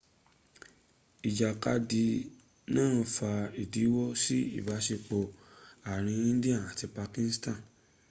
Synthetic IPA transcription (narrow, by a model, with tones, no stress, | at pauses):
i˨d͡ʒa˨ka˧di˧ | nãː˦˨fa˧i˨di˨˦wɔ˦si˦ḭ˦˨ba˨˦ʃe˧k͡po˧a˨ɾ̃ĩ˧ĩ˦di˦ã˦˨a˨ti˧pa˧kĩ˧˦n˦stã˦˨